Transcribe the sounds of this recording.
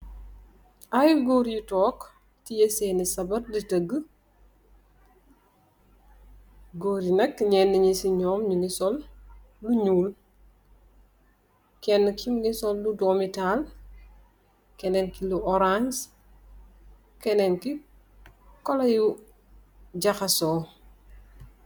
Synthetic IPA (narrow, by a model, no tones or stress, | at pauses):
ʔajuɡoːɾjutɔːk | tijeseːnisɐbɐɾditəɡːə | ɡoːɾinɐkɲɛnːəɲisiɲɔːmɲunisɔlː | uɲuːl | kɛnːəkʰimnisɔlːudɔːmital | kɛnɛnkiluʔɔɾans | kɛnɛnki | kɔlɐju | d͡ʒɐxɐsɔː